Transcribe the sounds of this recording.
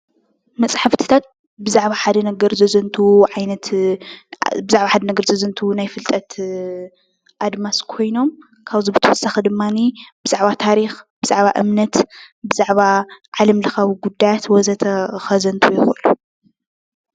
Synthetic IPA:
mɐt͡sʼħaft̪ʰɨ̥t̪ʰat̪̚ | bɨzaʕβaħad̪ɐnɐɡɐɾzɐzɐnt̪ʰuʕajnɐt̪ | bɨzaʕβaħad̪ɐnɐɡɐɾzɐzɐnt̪ʰunajfɨlt̪ʼɐt̪ | ʔad̪maskʰo̞jno̞m | kʰaβzibɨt̪ʰɐwɔsːaxɨd̪ɨmːanib̥ɨz̥aʕβat̪ʰaɾixb̥ɨz̥aʕβa̰ʔɨmnɐt̪bɨzaʕβaʕalɐmlɐxɐβiɡud̪ajat̪wɔzɐt̪ʰɐxɐzɐnt̪ʰujɪxuʔlu

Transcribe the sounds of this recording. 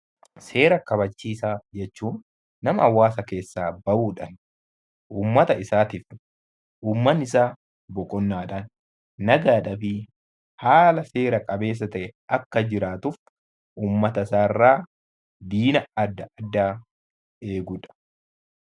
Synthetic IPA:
se̞ːɾɐkɐbɐt͡ʃːiːsaːd͡ʒɛt͡ʃːuːnː | ɐmɐɐwːaːsɐke̞ːsːaːbɐʔuːᶑɐn | ʔuːmːɐt̪ɐɪsaːt̪ɪf | ʔuːmːɐnɪs̬aː | bɔkʼɔnːaːᶑɐnː | ɐɡaːᶑɐfɪ | haːlɐse̞ːɾɐkʼɐbe̞ːs̬ːɐt̪ɐʔɛɐkːɐd͡ʒɪɾaːt̪ʊf | ʔuːmːɐt̪ɐsaːrːaː | d̪iːnɐɐd̪ːɐʔɐd̪ːaː | e̞ːɡʊᶑɐ̥

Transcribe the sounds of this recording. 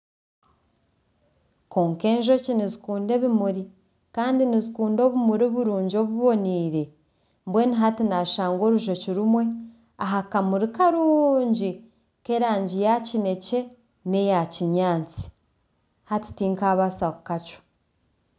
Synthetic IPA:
ko̞ːŋke̞ːnʒo̞cinizikuːnde̞βimuɾi | kaːndinizikuːndo̞ːβumuɾoβuɾuːɲɟo̞ːβuβo̞niːɾe̞ | mbwe̞ːniɦatinaʃaːŋɡo̞ːɾuʒo̞ciɾumwe̞ | aɦakamuɾikaɾuːɲɟi | ke̞ɾaːɲɟijacine̞ce̞ | ne̞jaciɲaːnt͡si̥ | hati̥tiːŋkaβasakukat͡ʃo̥

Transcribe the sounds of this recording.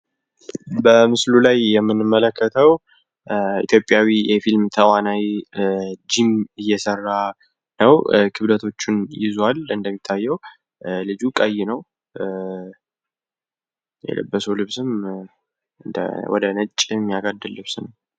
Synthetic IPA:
bəmɨslulajːɛmːɨnɨmːələkʰːət̪ʰəw | ḭt̪ʰjo̞pʼjawijɛfilmt̪ʰəwanaj | d͡ʒimɨjːɛsərːa | nəwkʰɨβd̪ət̪ʰo̞t͡ʃːɪnjɪ̰zwalɨnd̪əmːit̪ʰːajːɛw | lɨd͡ʒukʼəjːɪnəw | jɛ̰lə̰bːəsulɨβsɨm | ɨnd̪ə̰wɔ̰d̪ənət͡ʃʼːmːijaɡad̪ːɨlːɨβsnəw

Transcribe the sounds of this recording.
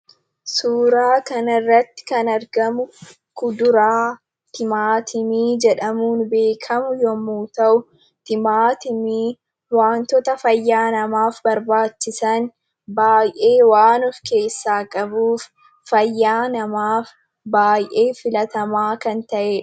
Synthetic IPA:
suːɾaːkɐnɪrːɐt̪ːɪ̥kɐnɐɾɡɐmʊ | kʊd̪ʊɾaː | t̪ɪmaːt̪ʰɪmiːd͡ʒɛᶑɐmuːnbe̞ːkʰɐmʊjɔmuːt̪ɐʔʊ | t̪ɪmaːt̪ɪmiː | waːnt̪ɔt̪ɐfɐjːaːnɐmaːfbɐɾbaːt͡ʃːɪsɐn | baːjʔe̞ːwaːnʊfke̞ːsːaːkʼɐbuːf | fɐjːaːnɐmaːf | baːjʔe̞ːfɪlɐt̪ɐmaːkɐnt̪ɐʔeː

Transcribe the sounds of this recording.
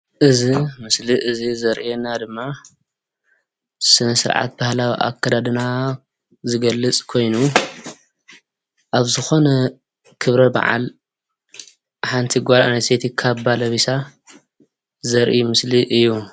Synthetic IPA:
ʔɨzimɨsliʔɨzizɐɾʔienad̪ɨmːa | sɨnɐsɨɾʕa̰t̪̚bahlawḭʔa̰kʰːad̪ad̪ɨna | zɨɡɐlːɨt͡sʼkʰo̞jnu | ʔaβzɨxo̞nɐ | kʰɨβɾɐba̰ʕa̰l | ħant̪ʰiɡʷaɾanɐst̪ʰet̪ʰikʰaβbalɐβisa | zɐɾʔimɨsliʔɨjːu

